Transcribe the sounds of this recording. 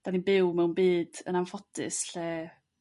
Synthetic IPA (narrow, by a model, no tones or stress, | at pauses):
d̥aninbɪwmɛwnbiːd̥ə̰namfɔtɪ̰sɬɛ